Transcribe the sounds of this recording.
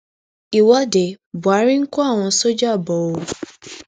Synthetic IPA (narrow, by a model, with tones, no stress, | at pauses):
i˨wɔ˦de˨bu˨a˨˦ɾi˦ŋ̩˦kɔ˦a˦˨w̃ɔ̃˧so˦d͡ʒa˦˨bɔ˨o˨˦